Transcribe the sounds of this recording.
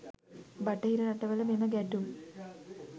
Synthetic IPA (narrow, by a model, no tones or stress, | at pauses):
bɐʈːɐɦiɾɐnɐʈːɐʋɐlɐmenːɐɡeʈːum